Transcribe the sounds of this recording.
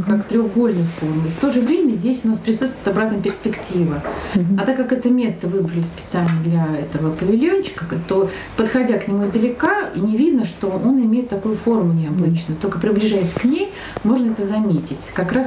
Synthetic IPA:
kakt̪ɾʲoɣɡo̞lʲnɨjfo̞rmɪft̪o̞ʐɨvɾʲemʲəzʲdʲesʲʊnaspɾʲɪsut̪st̪vʊɪt̪abɾat̪nəjpʲɪrspʲɪktʲivəɐt̪akːakɛt̪əmʲe̞st̪əvɨbɾəlʲɪspʲɪt̪sɨalʲnəd̪lʲɐɛt̪əvəpəvʲɪlʲjonʲt͡ɕɪ̥kət̪o̞ | pət̪xɐdʲaknʲɪmuɪzd̪əlʲɪkainʲɪvʲid̪nəʂt̪o̞ʔo̞nɪmʲejɪt̪ːɐkojʊfo̞rmʊnʲɪɐbɨt͡ɕnjʊt̪olʲkəpɾʲɪblʲɪʐajɪsʲə̥knʲej | mo̞ʐnəɛt̪əzɐmʲetʲɪtʲkɐkɾas

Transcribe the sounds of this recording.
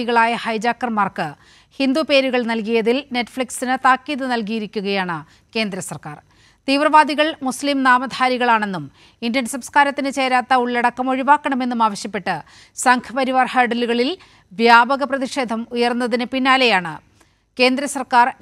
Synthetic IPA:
iɣɐɭaːjɐhɐjd͡ʑaːkːɐrmaːrkɨ | hind̪upe̞ːɾuɣɐɭnɐlkijɐðilne̞ʈːfɭiksinɨt̪aːkːiːðɨnɐlk̬ijiɾikʲːuɣɐjaːɳɨ | ke̞ːnd̪ɾɐsɐrkaːr | t̪iːʋrɐʋaːd̪iɣɐɭmuslimnaːmɐd̪ʱaːɾiɣɐɭaːɳe̞nːum | indɐnsɐmskaːɾɐt̪ːinɨt͡ɕeːɾaːt̪ːɐuɭːɐɽɐkːɐmo̞ɻiʋaːkːɐɳɐme̞nːumaːʋɐɕjɐpːe̞ʈːɨ | sɐŋkʰɐpɐɾiʋaːrhɐːɖɐluɣɐɭil | ʋjaːbɐɣɐprɐðiʂe̞ːd̪ʱɐmujɐrnːɐðinɨpinːaːle̞jaːɳɨ | ke̞ːnd̪ɾɐsɐrkaːr

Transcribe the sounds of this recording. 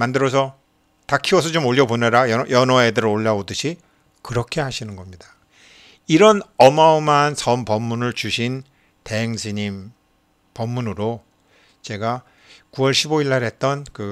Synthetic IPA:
mandɯɾʌs̬ʰʌ | takʰiwʌsʰʌt͡ɕomoʎːʌboneɾajʌjʌnɦwʌedɯɾɯɾoʎːaodɯɕʰi | kɯɾʌkʰe̞ɦaɕʰinɯnɡʌmɲida | iɾʌnʌmaomansʰʌmpʌmːunɯɭt͡ɕuɕʰin | te̞ɦeŋsʰiɲim | pʌmːunɯɾo | t͡ɕe̞ɡa | kuwʌɭɕʰiboiɭːaɾɦe̞t̚t͈ʌnkɯ

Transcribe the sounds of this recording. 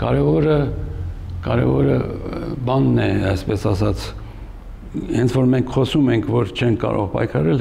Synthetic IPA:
kɑ̰ɾɛvɔɾə | kɑɾɛ̰vɔɾə̰bɑnːɛɑjspɛsɑsɑt͡sʰ | hɛnt͡sʰvɔɾmɛŋkʰχɔsumɛŋkʰvɔɾt͡ʃʰɛŋkʰːɑ̰ɾɔ̰ʁpɑ̰jkʰɑɾɛl

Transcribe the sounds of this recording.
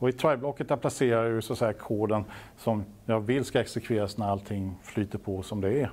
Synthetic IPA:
ɔɪt̪ʰɾajblɔkːət̪̚d̪æɾpʰlaseːɾajɵsɔat̪sɛjːkʰoːd̪ən | sɔmjɑɡvɪlːskaɛksɛkʰveːɾasnæɾalt̪ʰːɪŋːflyːt̪əɾpʰɔsɔmd̪ɛː

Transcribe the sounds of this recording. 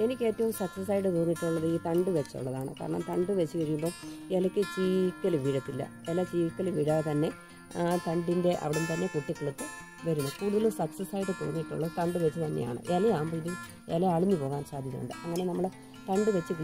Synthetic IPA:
e̞nikʲːe̞ːtːɐʋumsɐksɐs̬aːjʈ̬ːɨt̪uːrnːiʈːuɭːɐðɨiːt̪ɐɳɖɨʋet͡ɕːo̰ɭːɐðaːɳɨ̰ka̰ːɾɐɳɐ̰mt̪ɐɳɖɨʋet͡ɕːɨʋɐɾijumbo̞ːelɐkʲːɨt͡ɕiːkːɐlʋiɻɐt̪ːilːɐ̰ | elɐt͡ɕiːkːɐlʋiɽat̪ɐnːe̞ | t̪ɐɳɖinde̞ʔɐ̰ʋiɽumt̪ɐnːe̞kuʈːikːɐɽut̪ːɨ | ʋɐɾunːukuːɽuðɐlsɐksɐsaːjiʈːɨt̪ṵːrnːiʈːuɭːɐðɨt̪ɐɳɖɨʋet͡ɕːɨt̪ɐnːḛja̰ːɳɨ̰ʔeleaːmbɐinum | eleɐɭiɲːɨpo̞ːʋaːnsaːd̪ʱiɐmṵɳɖɨ̰ʔɐŋːɐne̞nɐmːɐɭ | t̪ɐɳɖɨʋet͡ɕːɨki

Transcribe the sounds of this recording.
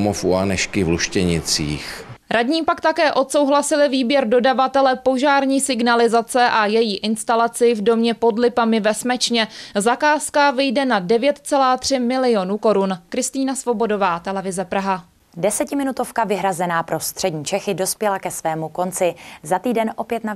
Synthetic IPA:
mofuanɛʃkɪvluʃcɛɲɪt͡siːxɾadɲiːpakt̪akɛːʔo̞t̪so̞wɦlasɪlɪviːbjɛɾdo̞davat̪ɛlɛpo̞ʒaːɾɲiːsɪɡnalɪzat͡sɛʔajɛjiːʔɪnst̪alat͡sɪvdo̞mɲɛpo̞dlɪpamɪvɛsmɛt͡ʃɲɛzakaːskavɪjdɛnadɛvjɛt̪t͡sɛlaːt̪r̥ɪmɪlɪo̞nuko̞ɾunkɾɪst̪iːnasvo̞bo̞do̞vaːt̪ɛlɛvɪzɛpɾaɦa | dɛsɛcɪmɪnut̪ofkavɪɦɾazɛnaːpɾo̞st̪r̝̥ɛdɲiːt͡ʃɛxɪdo̞spjɛlakɛsvɛːmuko̞nt͡sɪzat̪iːdɛnʔopjɛt̪na

